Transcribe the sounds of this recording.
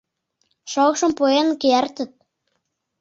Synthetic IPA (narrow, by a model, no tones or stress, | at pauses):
ʃɑɣʃɤ̆mpoenkeært̪ə̆t̪̚